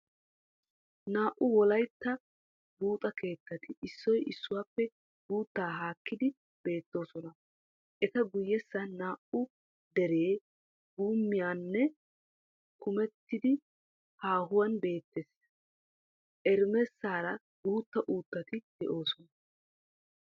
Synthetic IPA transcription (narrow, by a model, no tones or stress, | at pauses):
naːʔʊwɔlɐjt̪ːɐ | buːt̪ʼɐke̞ːt̪ːɐt̪ɪʔɪsːɔjʔɪsːʊwaːpːɛ | buːt̪ːaːɦaːkːɪd̪ɪ | b̥e̞ːt̪ːo̞ːsɔnɐ | ʔɛt̪ɐɡʊjːɛsːɐnaːʔʊ | d̪ɛɾe̞ː | ɡuːmːɪjaːnːɛ | kʰʊmɛt̪ːɪd̪ɪ | haːɦʊwɐnbe̞ːt̪ːeːs | ʔɛɾmɛsːaːɾɐ | buːt̪ːɐʔuːt̪ːɐt̪ɪd̪̥ɛʔo̞ːsɔnɐ